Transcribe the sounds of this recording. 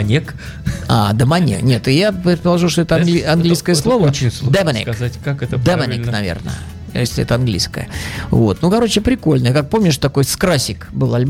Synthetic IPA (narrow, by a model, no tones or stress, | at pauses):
ɐnʲek | a̰d̪əmɐnʲḛknʲe̞t̪ɨjapɾʲɪt̪̚pəlˠɐʐuʂ̬t̪oɛt̪əɐnɡlʲiɐnɡlʲijskəjəslˠo̞vət͡ɕɪnʲsd̪ɛmɐnʲḛzatʲkakɛt̪əd̪ɛmmɐnʲeknɐvʲḛrnə̰jə | jesʲlʲɪɛ̰t̪əɐnɡlʲḭjskə̰jə̰vo̞̰t̪nukɐɾo̞t͡ɕɪpɾʲɪko̞lʲnəjəkak̚po̞mnʲɪʂt̪ɐko̞jskɾasʲɪkbɨlˠɐlʲb